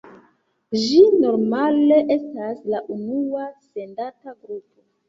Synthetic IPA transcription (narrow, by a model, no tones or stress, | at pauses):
d͡ʒino̞ɾmale̞ʔe̞staslaʔunuase̞ndataɡɾupo̞